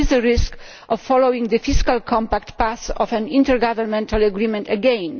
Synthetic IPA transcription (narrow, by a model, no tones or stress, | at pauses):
izd̪əɾisk | ʔɔfːɔlowĩŋɡd̪əfiskalkʰɔ̃mpakt̪pasɔvɛ̃nĩnt̪ɛɾɡavɛɾmɛ̃nt̪alaɡɾimɛ̃nt̪ɛɡɛ̃n